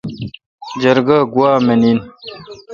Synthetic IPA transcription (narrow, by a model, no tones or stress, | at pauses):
d͡ʑɐɾɡaɡuwaːmenin